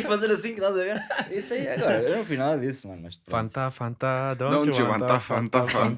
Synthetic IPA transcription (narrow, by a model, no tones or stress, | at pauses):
fɐzeɾɐsĩkt̪azɐɣeɾisɐiɐɣɔɾɐewnɐ̃w̃fiʒnaðɐðismɐnmɐʃfɐ̃nt̪afɐ̃nt̪anɐ̃w̪̃ɐ̃w̪̃vɐ̃nt̪afɐ̃nt̪afɐ̃n